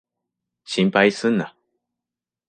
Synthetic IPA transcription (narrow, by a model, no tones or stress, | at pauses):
ɕĩmpaisɨ̃nːa